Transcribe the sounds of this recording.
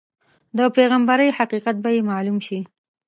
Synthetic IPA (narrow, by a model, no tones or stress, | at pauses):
d̪əpeɣambaɾəjhaqiqat̪̚bajemɑlumʃi